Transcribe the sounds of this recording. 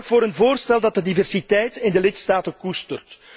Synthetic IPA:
kvoːɾənvoːrstɛlˠdɑt̚dədivɛrsitɛjtɪndəlɪtstaːtəkustərt

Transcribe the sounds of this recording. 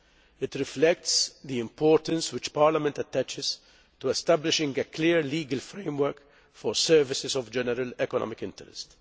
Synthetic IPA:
ɪt̪ɾɪflɛk̚tsd̪iɪ̃mpʰɔːɾt̪ə̃nswɪt͡ʃpaɾlɐmɛ̃nt̪ɐt̪ːæt͡ʃɪz̥ | t̪uɛst̪æblɪʃɪ̃ŋɡəkliːɾliːɡɐlfɾẽɪ̃mwəɾk | fɔɾsɛɾvɪsɪzɔvd͡ʒɛnɛɾəlɛkɔnɔ̰mɪkɪ̃ntɛɾɛ̰st

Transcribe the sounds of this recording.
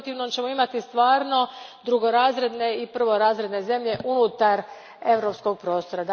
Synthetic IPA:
t̪iʋnomt͡ɕe̞mo̞imat̪ist̪ʋaːɾno̞d̪ɾuɡo̞ɾaːzɾe̞d̪ne̞ipr̩ʋo̞ɾaːzɾe̞d̪ne̞ze̞mʎe̞ʔunut̪aɾ | e̞ʋɾo̞psko̞ɡ̚pɾo̞ːst̪o̞ɾad̪

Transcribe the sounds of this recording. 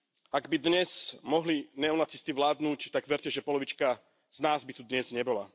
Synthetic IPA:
aɡbid̪ɲɛz̥mɔɦlinɛɔnat͡sist̪iʋlaːd̪nuːct̪aɡʋɛɾcɛʒɛpɔlɔʋit͡ʃka | z̥naːzbit̪ud̪ɲɛzɲɛbɔla̰

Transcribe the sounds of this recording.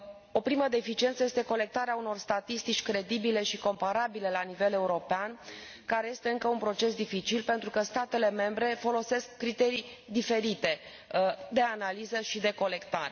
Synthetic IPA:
o̞pɾiməd̪efit͡ʃie̞nt̪səjest̪e̞ko̞le̞k̚t̪aɾeauno̞rst̪at̪ist̪it͡ʃʲkɾe̞d̪ibile̞ʃiko̞mpaɾabile̞lanive̞le̞uɾo̞pean | kaɾe̞je̞st̪e̞ɨŋkəunpɾo̞t͡ʃe̞sd̪ifit͡ʃilpe̞nt̪ɾukəst̪at̪e̞le̞me̞mbɾe̞fo̞lo̞se̞skːɾit̪e̞ɾij | d̪ife̞ɾit̪e̞ | d̪e̞analizəʃid̪e̞ko̞le̞kt̪aɾe

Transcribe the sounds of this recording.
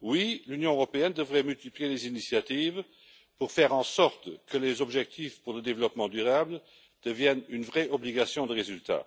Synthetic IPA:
wilynjɔ̃øʁɔpeɛnd̪əvʁɛmylt̪iplijelezinisjat̪iːv | puʁfɛːʁɑ̃sɔʁt̪kəlezɔbʒɛk̚t̪ʰifpuʁləd̪evəlɔpmɑ̃d̪yʁablə | d̪̥əvjɛnynvʁɛʔɔbliɡasjɔ̃d̪əʁezylt̪a̰

